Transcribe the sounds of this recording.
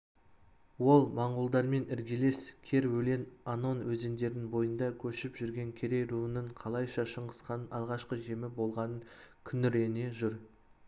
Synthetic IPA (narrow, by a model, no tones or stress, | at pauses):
wo̞lˠmɑɴʁʊlˠd̪ɑɾme̞nɪɾɡʲele̞skʲʰe̞ɾwɵle̞nɑno̞nwɵzend̪e̞ɾɪŋbo̞jənd̪ɑkʲʰɵʃɪpʒʏɾɡʲe̞ŋkʲʰe̞ɾe̞jɾuənəɴqʰɑlˠɑjʃɑʃəɴʁəsqɑnɑlˠʁɑʃqəʒe̞mɪbo̞lˠʁɑnəŋkʲʰʏnːɪɾe̞ne̞ʒʏɾ